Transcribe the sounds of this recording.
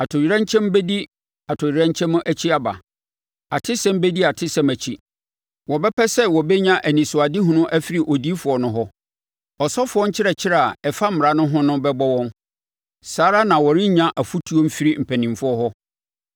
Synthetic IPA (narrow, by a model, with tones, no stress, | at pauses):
a˨tʰʊ˨ɥɾɛ̃˦ɲ˦t͡ɕʰɛ̃˦m˦bɛ˦di˦ | a˨tʰʊ˨ɥɾɛ̃˦ɲ˦t͡ɕʰɛ̃˦m̃˦ʔæ˨t͡ɕʰi˦a˨ba̰˨ | a˨tʰɪ˦sɛ̃˦m˦bɛ˦di˦a˨tʰɪ˦sɛ̃˦mæ˨t͡ɕʰi˦ | wɔ˨bɛ˦pʰɛ˦sɛ˦wɔ˨bɛ˦ɲã˦ʔæ˨nĩ˨sʊ˨a˨di˦ɦʊ̃˦nʊ̃˦ʔæ˦fi˦ɾi˨ʔɔ˨di˦fʊ˨ɔ˨nʊ̃˦ɦɔ˦ | ɔ˨sɔ˦fʊ˨˦ɔ˦ɲ̩˦t͡ɕʰɪ˦ɾɛ˨t͡ɕʰɪ˦ɾɛ˨a˨ɛ˨fa˦m̩˦m̩˨a˨nʊ̃˦ɦʊ̃˦nʊ̃˦bɛ˦bɔ˦wɔ̃˦n | saː˨˦ɾa˦nã˨wɔ˨ɾɪ̃˦ɲã˦ʔæ˨fu˦tʰu˦o˦m̩˦fi˦ɾi˦m̩˨pʰæ̃˨nĩ˨mfʊ˦ɔ˦ɦɔ˦